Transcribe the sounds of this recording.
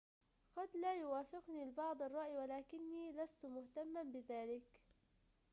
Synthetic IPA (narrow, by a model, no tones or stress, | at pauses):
qɑd̪laːjʊwaːfɪqniːlbɑʕd̪ˤɑrˤːɑʔjwalaːkɪnːiːlast̪mʊht̪amːanbɪðaːlɪk